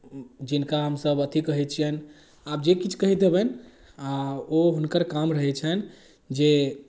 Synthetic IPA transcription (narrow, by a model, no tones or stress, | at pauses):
d͡ʒinkaɦəmsəbət̪ʰikəɦɛt͡ʃʰijɛn | ab̚d͡ʒekit͡ʃʰkəɦit̪̚d̪ebɛn | aoɦunkəɾkamɾəɦɛt͡ʃʰən | d͡ʒe